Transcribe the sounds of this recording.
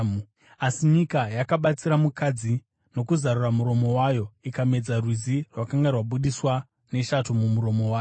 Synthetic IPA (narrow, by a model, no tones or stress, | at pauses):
asiɲikajakaɓat͡siɾamukʰad͡zi | no̞kuzaɾuramuɾo̞mo̞waːjo̞ikame̞d͡zarwizirwakaŋɡarwaɓuɗiswa | ne̞ʃatumumuɾo̞mo̞waːjo